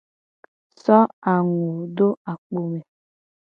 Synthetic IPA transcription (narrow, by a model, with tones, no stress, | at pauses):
sɔ˦a˨ŋo˨do˦a˨k͡po˨me˨